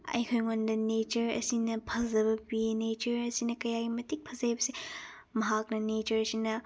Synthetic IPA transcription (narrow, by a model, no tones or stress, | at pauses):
ɐ̰jkʰojŋondɐnet͡ʃɐɾɐ̰sinɐpʰɐzɐbɐpinet͡ʃɐɾɐsinɐkɐjaɡimɐtik̚pʰɐzajbɐse | mɐɦak̚nɐnet͡ʃɐɾɐsinɐ